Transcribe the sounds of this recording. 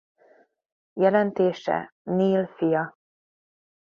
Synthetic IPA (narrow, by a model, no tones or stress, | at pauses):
jɛlɛnt̪eːʃɛ̰niːlfijɒ